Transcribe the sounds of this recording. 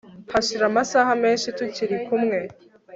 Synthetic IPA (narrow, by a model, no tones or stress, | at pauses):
haʃiɾamasaːɦame̞ːnʃituciɾikumŋe̞